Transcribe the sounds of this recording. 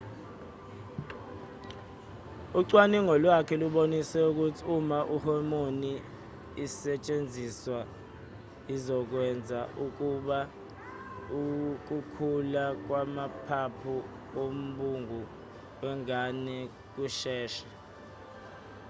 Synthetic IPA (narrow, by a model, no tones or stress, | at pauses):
uǀwaniŋɔlwakʰɛluɓonisɛuk̬utʰiumaʔuhɔmoniː | sɛt͡ʃʼend͡zʱiswa | izɔk̬wɛnd͡zʱaʔuk̬uɓa | uk̬ukʰulak̬wamapʰapʰu | om̩ɓuŋu | wɛŋanɛ | k̬uʃɛːʃɛ̥